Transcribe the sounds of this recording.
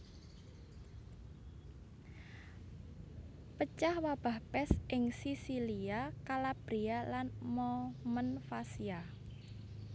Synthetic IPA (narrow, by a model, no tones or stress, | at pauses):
pət͡ʃahwab̥a̤hpɛsʔɪŋsisiliakalab̥ɾialanmɔmənfasia